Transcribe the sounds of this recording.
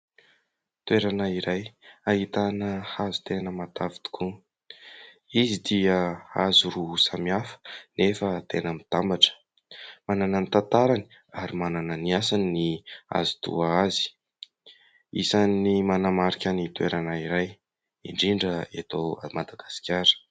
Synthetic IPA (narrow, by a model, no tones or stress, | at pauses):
t̪weɾanaiɾajaɦit̪anəhazu̥t̪enəmat̪avit̪u̥kʰu | izid̪iəa̰zuɾuusamiafə̥nefət̪enəmit̪ambaʈ͡ʂə̥ | manananit̪ant̪aɾani̥ | aɾimanananiasaninia̰zu̥t̪ṵaazi̥ | ḭsanːimanamaɾikʲənit̪uḛɾanaiɾaj | iɳɖ͡ʐiɳɖ͡ʐəet̪owamad̪aɡ̥asi̥kʲaɾə̥